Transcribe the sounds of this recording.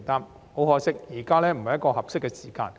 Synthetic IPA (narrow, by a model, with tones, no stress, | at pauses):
t̪aː˥m | ho˨˥whɔː˨˥sɪ˥k̚jiː˨˩kaː˥lɛː˥m̩˨˩hɐ˨jɐt̚kɔː˧hɐ˨p̚sɪ˥kːɛ˧siː˨˩ka̰ː˧n